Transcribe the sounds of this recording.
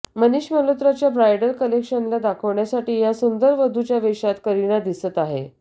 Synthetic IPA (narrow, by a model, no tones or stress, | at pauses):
məniɕməlot̪ɾat͡ɕjabɾajɖəɾkəlekɕənlad̪akʰəʋɳjasaʈiːjasund̪əɾʋəd̪ʱut͡ɕjaʋeʂat̪kəɾiɽ̃ad̪isət̪aɦḛ